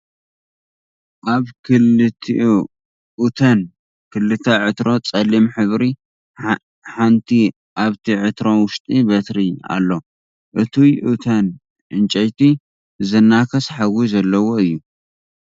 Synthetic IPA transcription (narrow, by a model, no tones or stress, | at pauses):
ʔaβkʰɨlɨt̪ʰiʔ | ʔut̪ʰɐn | kʰɨlːɨt̪ʰɐʕɨt̪ɾo̞t͡sʼɐlimħɨβɾi | ħant̪ʰi | ʔaβt̪ʰiʕɨt̪ɾo̞wʊʃt̪ʼibɐt̪ɾia̰lːo̞ | ʔɨt̪ʰujʔɨt̪ʰɐn | ʔɨnt͡ʃʼɐjt̪ʰi | zɨnːakʰɐsħaɡuzɐlːɐwoɨjːu